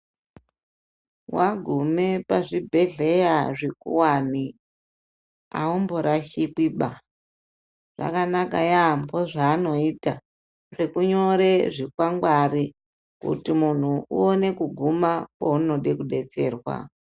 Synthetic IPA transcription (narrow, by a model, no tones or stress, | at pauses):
waɡʱume̞paʐibʱe̞ɮe̞jaʐekṵwani | a̰omboɾaʃikiɓa | ʐ̥a̰kanakajamboʐaːno̞ita | ʐe̞kuɲo̞ɾe̞ʐikwaŋɡwari | kṵtimun̤uṵone̞kuɡʱumakouno̞ɗekuɗe̞t͡se̞ːrwa̰